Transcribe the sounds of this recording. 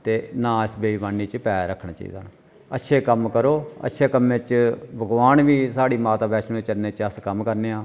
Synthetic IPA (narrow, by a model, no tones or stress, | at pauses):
t̪eːnãːsbeiːbaːnːiːt͡ʃpɛːɾəkʰɳaːt͡ʃa̰ḭːd̪a̰ːn | ətːʃʰeːkəmkəɾoːə̰tːʃʰeːkəmːẽt͡ʃbʱəɡʋaːnʋiːsaːɽiːmaːt̪aːbɛːʃõːeːt͡ʃəlneːt͡ʃəskəmkəɾneːãː